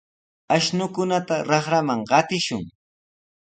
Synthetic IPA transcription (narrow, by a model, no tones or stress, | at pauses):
aʃnʊkʊnat̪aɾɑχɾamaŋɢɑt̪ɪʃʊ̰ŋ